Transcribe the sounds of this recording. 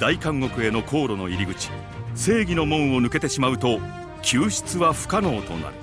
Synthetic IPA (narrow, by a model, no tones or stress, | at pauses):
d̪̥aikãŋːo̞kɯ̟e̞no̞kʰo̞ːɾo̞no̞iɾʲiɡɯ̟t͡ɕi̥ | se̞ːɡʲino̞mõ̞ɰ̃o̞nɯ̟ke̞t̪e̞ɕimaɯ̟t̪o̞ | kʲʰɨːɕi̥t͡sɨβaɸɯ̟̥kano̞ːt̪o̞̰na̰ɾɯ̟